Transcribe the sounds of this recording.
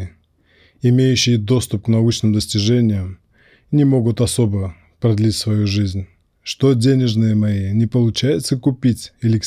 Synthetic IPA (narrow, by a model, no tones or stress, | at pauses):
ɪmʲejʉɕːɪjəd̪o̞st̪ʊp̚knɐut͡ɕnɨmd̪əsʲtʲɪʐɛnʲɪjəm | nʲɪmo̞ɡʊt̪ɐso̞bə | pɾɐd̪lʲitʲsvɐjuʐɨzʲnʲ | ʂt̪o̞dʲenʲɪʐnɨjəmɐinʲɪpəlˠʊt͡ɕæjɪt̪səkʊpʲitʲɪlʲɪk